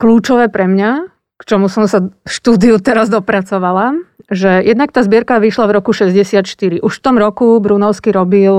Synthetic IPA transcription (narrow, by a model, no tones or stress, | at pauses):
kluːt͡ʃɔʋɛːpɾɛmɲa | kt͡ʃɔmusɔmsaʃt̪uːd̪iut̪ɛɾazd̪ɔpɾat͡sɔʋalaʒɛjɛd̪nak̚t̪aːzbɪɛɾkaʋiʃlavɾɔkuʃɛzɟɛsɪat̪ʃt̪iɾiʔuʃft̪ɔmɾɔkubɾunɔʊskiɾɔbil